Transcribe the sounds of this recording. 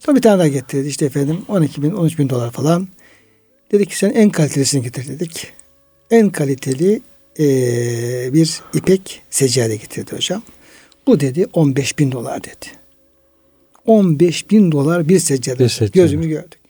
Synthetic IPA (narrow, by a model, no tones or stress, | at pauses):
sobit̪ʰaːnd̪aɟet̪ʰiɾd̪iiʃt̪ʰɛefænd̪imo̞nicʰibino̞nyt͡ʃbind̪o̞lˠaɾfalˠan | d̪̥e̞d̪icʰːi̥senænkʰalʲit̪ʰe̞lʲisiniɟet̪ʰiɾd̪ed̪ic | ænkʰalʲit̪ʰe̞lʲi | biɾipʰɛcsed͡ʒaːd̪ʲɛɟet̪ʰiɾd̪iho̞d͡ʒam | b̥ud̪e̞d̪iʔo̞nbɛʃbind̪o̞lˠa̰ɾd̪ed̪̥i̥ | o̞nbɛʃbind̪o̞lˠaɾbiɾsɛd͡ʒad̪ɛɟøzymyzɟøɾd̪̥y̥c